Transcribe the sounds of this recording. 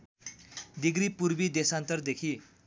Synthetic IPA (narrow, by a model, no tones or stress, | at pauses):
d̪iɡɾipuɾbid̪esant̪ʌrd̪ekʰi